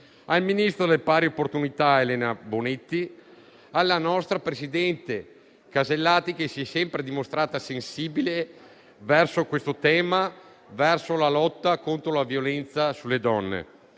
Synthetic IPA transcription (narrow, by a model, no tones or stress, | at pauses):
alminist̪ɾod̪elpaːɾiopːort̪unit̪aelɛːnabonet̪ːi | alːanɔst̪ɾapɾesid̪ɛnt̪e | kazelːaːt̪ik̟esiɛsɛmpɾed̪imost̪ɾaːt̪asensiːbile | vɛrsokwest̪ot̪ɛːma | vɛrsolalɔt̪ːakont̪ɾolavjolɛnt̪sasulːed̪ɔnːḛ